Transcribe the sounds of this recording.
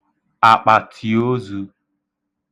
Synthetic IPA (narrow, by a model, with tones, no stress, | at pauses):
a˨k͡pa˨tʰi˨o˦zu˧